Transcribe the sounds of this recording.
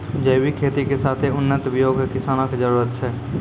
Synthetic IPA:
d͡ʒəɪwikʰeːt̪ikesaːt̪ʰeʊnːət̪bjoːɡkɪsaːñãked͡ʒəɾuːɾət̪t͡ʃʰɛː

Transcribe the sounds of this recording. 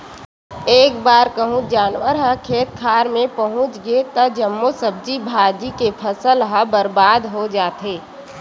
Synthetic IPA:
eːkbaːɾkəɦũd͡ʒaːnwəɾɦəkʰeːt̪̚kʰaːɾmẽpəɦʊ̃t͡ʃɡet̪ɐd͡ʒəmːosəb̚d͡ʒibʱaːd͡ʒikepʰəsəlɦəbəɾbaːd̪ɦod͡ʒaːt̪ɦeː

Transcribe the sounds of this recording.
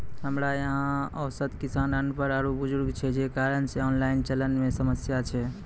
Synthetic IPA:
ɦəmɾajəɦãə̰wsət̪kisanənpəɾaɾubud͡ʒuɾɡt͡ʃʰɛd͡ʒekaɾənseɔnlaɪnt͡ʃələnmesəməsjat͡ʃʰɛ

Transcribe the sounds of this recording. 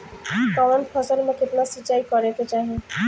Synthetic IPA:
kɔʋənpʰɔsəɾmẽkɪt̪nasit͡ʃaːikɔɾek̪et͡ʃaɦe

